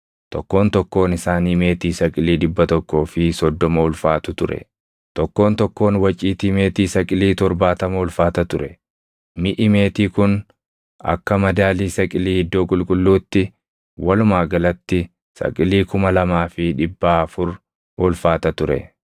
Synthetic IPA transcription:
t̪ɔkːo̞ːnt̪ɔkːo̞ːnɪsaːniːme̞ːt̪iːsɐkʼɪliːᶑɪbːɐt̪ɔkːo̞ːfɪsɔd̪ːɔmɐʊlfaːt̪ʊt̪ʊɾɛ̰ | t̪ɔkːo̞ːnt̪ɔkːo̞ːnwɐt͡ʃʼiːt̪iːme̞ːt̪iːsɐkʼɪliːt̪ɔɾbaːt̪ɐmɐʊlfaːt̪ɐt̪ʊɾɛ | mɪʔɪme̞ːt̪iːkʊn | ɐ̰kːɐmɐd̪aːliːsɐkʼɪliːhɪd̪ːo̞ːkʼʊlkʼʊlːuːt̪ːɪ | wɐlʊmaːɡɐlɐt̪ːɪ | sɐ̰kʼɪliːkʊmɐlɐmaːfɪᶑɪbːaːɐfʊɾ | ʊlfaːt̪ɐt̪ʊɾɛ̰

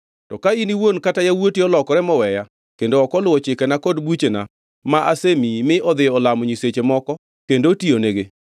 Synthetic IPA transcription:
tɔkainiwonkatajawotiɔlɔkɔɾɛmɔwɛja | kendoɔkɔlʊwɔt͡ʃɪkɛnakɔdbut͡ʃena̰ | maʔasemimɪɔd̪ɪɔlamɔɲiset͡ʃemɔkɔ | kendotioneɡe

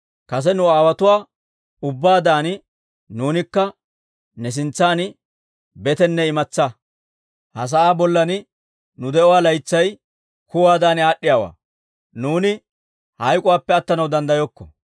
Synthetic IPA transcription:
kɐs̬ɛnʊaːwɐt̪ʊwaː | ʊbːaːd̪aːnɪ | nuːnɪkːɐ | nɛs̬ɪnt͡sːaːn | bɛt̪ɛnːɛɪmɐt͡sːɐ | hɐs̬ɐʔaːbɔlːɐnɪ | nʊd̪ɛɔwaːlɐjt͡sːɐj | kʊwaːd̪aːnɪaːɗːɪjaːwa̰ː | nuːnɪ | hɐjkʼɔwaːpːɛɐt̪ːɐnɐwd̪ɐnd̪ɐjɔkːɔ̥̰

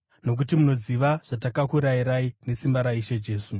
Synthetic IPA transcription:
no̞k̬utimuno̞ziʋaʐ̥atakakuɾaiɾaine̞simbaɾaiʃe̞d͡ʒe̞ːsu

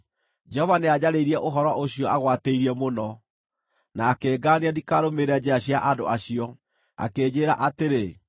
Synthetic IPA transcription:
d͡ʒɛhɔvanead͡ʑaɾeiɾiɛʔoɦɔɾɔʔoɕiɔaɣwateiɾiɛmonɔ | naːkeːɡaːneadikaɾomeɾɛad͡ʑeaɕiaʔado̰aɕijɔ | a̰keːd͡ʑeːɾaʔateɾe

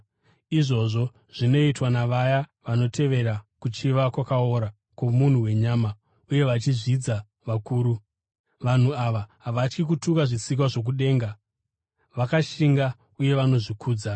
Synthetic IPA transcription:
iʐo̞ʐo̞ | ʐ̥ino̞itwanaʋajaʋano̞te̞ʋe̞ɾakut͡ʃiʋakwakaoɾa | ko̞mun̤uwe̞ɲama | uje̞ʋat͡ʃiʐid͡za | ʋakuːɾu | ʋan̤uaʋaɦaʋat͡ʃkik̬utukaʐisik̬waʐo̞k̬uɗe̞ːŋɡa | ʋakaʃiŋɡa | uje̞ʋano̞ʐikʰuːd͡za

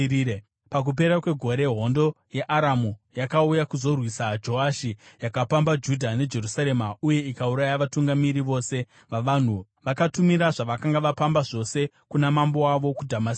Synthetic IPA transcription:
e | pak̬up̬e̞ɾakwe̞ɡʱo̞ɾe̞ɦo̞ndo̞ | je̞ʔaɾamujakaujakuzo̞rwisad͡ʒo̞aʃijakapambad͡ʒudʱane̞d͡ʒe̞rusaɾe̞mauje̞ikauɾajaʋatuŋɡamiɾiʋo̞se̞ | ʋaʋan̤u | ʋakatumiɾaʐaʋakaŋɡaʋapambaʐo̞se̞ | kunamambo̞aʋo̞kudʱamas

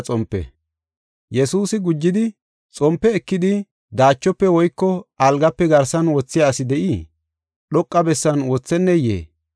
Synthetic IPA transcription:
t͡sʼɔmpːɛ̰ | jɛsuːsɪɡʊd͡ʒːɪd̪ɪ | t͡sʼɔmpːɛːkːɪd̪ɪ | d̪aːt͡ʃːɔpːɛwɔjkːɔɐlɡɐpːɛɡɐɾsɐnwɔt͡sːɪjaːsɪd̪ɛʔi | ɗɔkʼːɐbɛsːɐnwɔt͡sːɛnːɛjḛː

